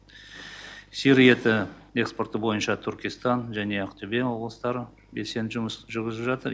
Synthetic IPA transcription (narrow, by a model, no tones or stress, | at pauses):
siɾijet̪ɪe̞kspo̞rt̪əbo̞jənʃɑt̪ʰʏɾkʲest̪ɑnʒæne̞ɑqt̪ʰʏbe̞wo̞blˠəst̪ɑɾə | be̞se̞nʒʒʏɾɡʲɪzɪpʒɑt̪əɾ